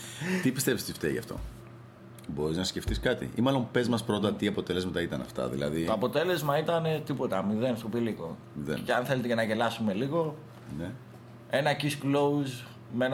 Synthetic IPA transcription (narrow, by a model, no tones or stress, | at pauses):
t̪ipi̥st̪e̞pist̪ift̪ḛʝɐ̰ft̪o̞̰ | bo̞ɾiznɐssce̞ft̪iskɐt̪ḭimɐlo̞mpe̞zmɐspɾo̞t̪̬ɐt̪iɐpo̞t̪e̞le̞zmɐt̪ɐit̪ɐnɐ̰ft̪ɐ̰ðḭlɐ̰ðit̪oɐpo̞t̪e̞le̞zmɐit̪ɐne̞t̪ipo̞t̪ɐmiðenst̪opiliko | ðḛceɐnθe̞let̪ecenɐʝe̞lɐsume̞liɣo̞ | ne | e̞nɐcisklouz | meen